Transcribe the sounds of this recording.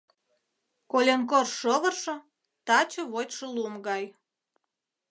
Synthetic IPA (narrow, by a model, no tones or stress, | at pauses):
kolʲenk̬orʃoβərʃɤ̆ | t̪ɑt͡ɕəβotʲʃəluəmɡɑj